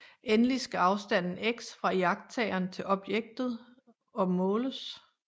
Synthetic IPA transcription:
ʔenlisɡ̥æɑ̈ʊsd̥æn̰n̩eɡ̥sfʁɑ̈jɑ̈ɡ̥̚d̥̚t͡sʰɛɪɐnt͡sʰe̝lɒ̽b̥jeɡ̥̚d̥ð̞̩ˠ | ɒ̽mɔːləs

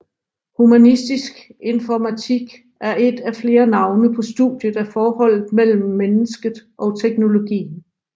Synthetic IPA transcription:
humænisd̥isɡ̥e̝nfɒmæt͡sʰiɡ̥ | ʔæɐʔe̝d̥æfle̝ːɐnɑ̈ʊnəpʰɒ̽sd̥ṵð̥ˠjəð̩ˠæfɒːhɒ̽l̰ð̩ˠmel̰m̩ːenəsɡ̥ð̩ˠʔɒ̽t͡sʰeɡ̥no̝lo̝ɡ̥ḭːn

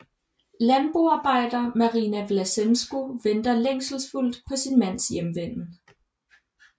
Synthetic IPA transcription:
lænb̥ʁuɑ̈ːb̥ɑ̈ɪ̰d̥ɐːmɑ̈ʁinæʋlæsensɡ̥uʋend̥ɐleŋ̰sl̩sful̰d̥pʰɒ̽sinmæn̰sjemʋen̰̩

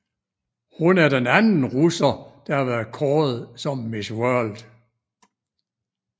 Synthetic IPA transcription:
hunæɐd̥enænn̩ʁusɐd̥ɑ̈hɑ̈ʋæɐðˠkʰɒːð̩ˠsɒ̽mːiswœɐld̥

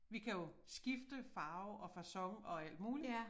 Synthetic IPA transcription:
ʋikʰæjo̝sɡ̥ifd̥əfɑ̈ːʊʔɒ̽fæsɒ̽ŋɒ̽æl̰d̥muːli

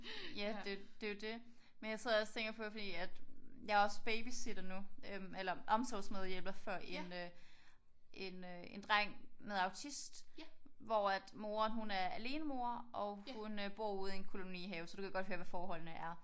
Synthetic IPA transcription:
jæd̥e̝d̥e̝o̝d̥e̝ | menjɑ̈ɪse̝ð̰ˠɒ̽sə̥t͡sʰeŋɡ̥ɐpʰɒ̽defɒd̥ḭːæd̥jɑ̈ɒ̽sb̥eɪb̥isid̥ɐnuøelɐʔɒ̽msɒsmeðˠjelb̥ɑfɶɐ̰ʔe̝nø | ʔe̝nøe̝nd̥ʁɑŋ̰meðˠɑ̈ʊt͡sʰisd̥ʋɒæd̥mo̝ːɐnɦunæɐæle̝ːnəmo̝ɐʔɒ̽hunøb̥o̝ɐ̰uːð̞̩ˠienkʰo̝lo̝nḭːɦɛːʊsɒd̥ukæɡ̥ɒ̽d̥høɐʋæfɒːhɒ̽l̰nəʔæɐ

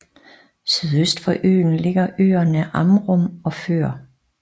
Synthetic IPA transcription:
syðˠøsd̥fɒ̽ʔø̰ːn̩le̝ɡ̥ɐʔø̰ːɐnəʔɑmʁɔmɒ̽fø̰ːɐ

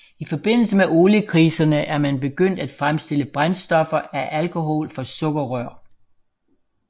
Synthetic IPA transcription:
ifɒ̽b̥e̝n̰l̩səmeʔo̝ːləkʰʁiːsɐnəʔæɐmænb̥e̝ɡ̥øn̰d̥æd̥fʁamsd̥e̝ləb̥ʁansd̥ɒ̽fɐæʔælkʰo̝ɦɔ̰lfɒ̽sɔ̽ɡ̥ɐʁœɐ̰

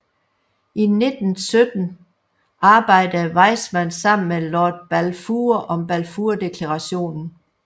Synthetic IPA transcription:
ʔine̝d̥n̩sød̥n̩ | ʔɑ̈ːb̥ɑ̈ɪ̰d̥əʋɑ̈ɪ̰smænsɑ̈m̰n̩melɒːd̥̚b̥ælfuːɐʔɒ̽mb̥ælfuɐd̥e̝kʰlɑʁɑ̈ɕo̝̰ːnn̩

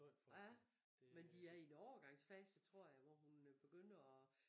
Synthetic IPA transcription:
æ | mend̥iæɐinɒʊɐɡ̥ɑ̈ŋ̰sfæsd̥ət͡sʰʁo̝ɐ̰jɑ̈ɪʋɒɦunb̥e̝ɡ̥øn̰ɐɒ̽

